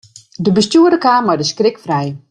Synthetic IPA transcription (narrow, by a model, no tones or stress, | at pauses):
dəbəstjuədəkaːmɔjdəskrɪkfrɛj